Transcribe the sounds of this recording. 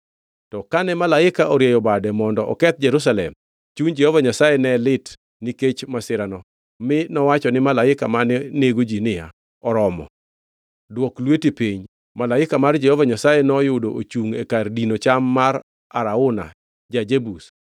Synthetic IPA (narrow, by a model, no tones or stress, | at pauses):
tɔkanɛmalaɪkaʔɔɾjɛjɔbadɛmɔndɔʔɔ̰kɛt̪̚d͡ʒɛɾus̬alɛ̰m | t͡ʃuɲd͡ʒɛhɔvaɲasajɛnɛlɪt | niket͡ʃmasɪɾanɔ | mɪnɔwat͡ʃɔnɪmalaɪkamaneneɡod͡ʒinɪja̰ | ɔɾɔmɔ̰ | dwɔklwetepiɲ | malaɪkamard͡ʒɛhɔvaɲasajɛnɔjʊdoʔot͡ʃuŋekardinot͡ʃamːar | aɾaʊna̰ | d͡ʒad͡ʒebus